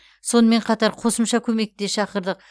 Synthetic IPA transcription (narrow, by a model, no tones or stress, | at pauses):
so̞nəme̞ɴqʰɑt̪ɑɾqʰo̞səmʃɑkʲʰɵme̞k̚t̪e̞ʃɑqəɾd̪əq̚